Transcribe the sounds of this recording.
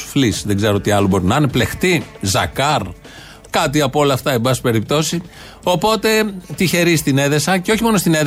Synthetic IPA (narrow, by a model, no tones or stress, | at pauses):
flisðe̞ɡzeɾoot̪iɐlobo̞ɾinɐneple̞xt̪izɐ̰kɐɾ | kɐt̪iɐpoo̞lɐːft̪ɐembɐsi̥pe̞ɾip̚t̪o̞si | o̞po̞t̪e̞t̪içe̞ɾist̪ine̞ðe̞sɐceo̞çimo̞nost̪ine